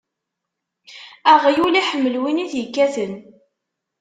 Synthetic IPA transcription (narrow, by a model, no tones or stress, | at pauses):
æʁjuliħəmːəlwiniθjəkːæθən